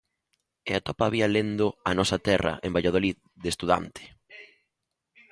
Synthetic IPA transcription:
eat̪ɔpaːβialend̪ʊanɔsɐt̪ɛrɐ̰ʔembaʎað̞olið | ðest̪uða̰nt̪ʰɪ̥

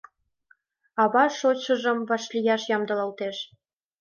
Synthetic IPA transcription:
ɑβɑʃot͡ɕə̆ʒəmβɑʃlʲijɑʃjɑmd̪ɤ̆lɑlt̪eʃ

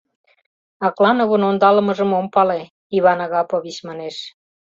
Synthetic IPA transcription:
ɑklɑnoβonond̪ɑləməʒəmompɑle | iβɑnɑɣɑpoβit͡ɕmɑneʃ

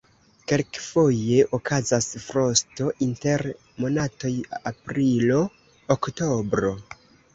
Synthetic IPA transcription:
ke̞lkfo̞je̞ʔokʰazasfɾo̞sto̞ʔinte̞ɾ | mo̞nato̞japɾilo | oktobɾo̞

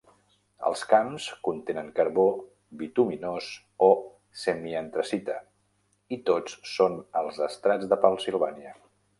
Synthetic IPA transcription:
ə̰lˠskamskunt̪enəŋkəɾβo | bit̪uminoz | o | semiənt̪ɾəsit̪ə | it̪ot͡ssonəlˠzəst̪ɾad͡zðəpənsilˠβaniə

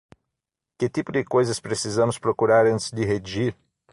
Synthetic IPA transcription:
kɪt̪ipʊd̪ɪkojzɐspɾesizɐ̃mʊspɾokuɾaɾɐ̃nt̪ɪ̥zd̪ɪɦeʒiɾ

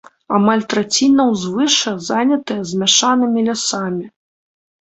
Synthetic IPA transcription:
amalʲt̪ɾat͡sʲinɐwzvɨʂɐzanʲɐt̪ɨjɐzʲmʲaʂanɨmʲilʲasamʲi

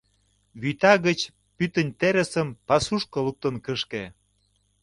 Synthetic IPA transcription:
βyt̪ɑɣə̆t͡ɕ | pyt̪ənʲt̪eɾə̆səmpɑsuʃkɤ̆luk̚t̪ə̆nkəʃke

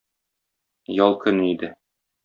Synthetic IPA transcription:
jɒlˠkɵ̆nid̪ɘ

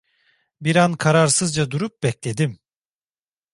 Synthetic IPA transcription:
biɾankʰaɾaɾsɯzd͡ʒad̪uɾup̚bɛclʲe̞d̪im

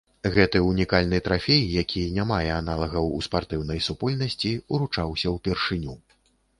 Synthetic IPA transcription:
ɣɛt̪ɨunʲikalʲnɨt̪ɾafʲejjakʲʰinʲamajɛanalˠɐɣɐwṵspart̪ɨwnɐjsupɔlʲnɐsʲt͡sʲiuɾut͡ʂawsʲɐwpʲɛrʂɨnʲu

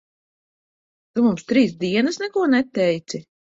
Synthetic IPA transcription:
t̪umumst̪ɾiːs̬d̪iɛnɐsnɛkuɔnɛt̪ːɛjt̪si

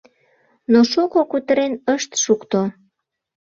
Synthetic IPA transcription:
noʃukokut̪əɾenəʃt̪ʃukt̪o

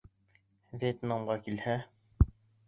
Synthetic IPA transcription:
vʲet̪namʁɑkilhæ

